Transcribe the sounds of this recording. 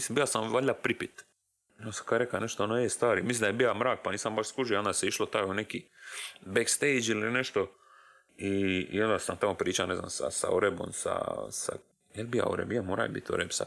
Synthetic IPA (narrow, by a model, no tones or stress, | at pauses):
islimbijlasamʋaʎʲapɾipit̪ | osḁkad̪ɾeklaneʃt̪oonoeest̪ʋaːɾimislind̪ajebijamɾaːk̚paniːsambaʃskuʒioo̞nd̪aseiʃlot̪aːjuneki | bekst̪ejd͡ʒilineʃt̪o | ḭːond̪asamt̪amopɾiːt͡ʃanezna̰msa̰sa̰oɾebomsa̰sa̰ | jelbija̰o̰ɾḛbijamoːɾa̰jbḭt̪o̰ɾebsa̰